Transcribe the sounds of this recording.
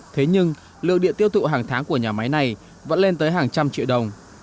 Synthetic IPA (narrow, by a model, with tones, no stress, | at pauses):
t̪ʰe˨˦ɲɨ˧ŋ | lɨ̰˨˧əŋɗḭ˧˨nt̪i˧əwt̪ʰṵ˧˨ɦaː˨˩ŋt̪ʰaː˨˦ŋku˧˩əɲaː˨˩ma˨˦jna˨˩j | və̰˧˥nle˧nt̪əː˨˦jɦaː˨˩ŋt͡ɕa˧mt͡ɕḭ˧˨wɗə˨˩wŋ͡m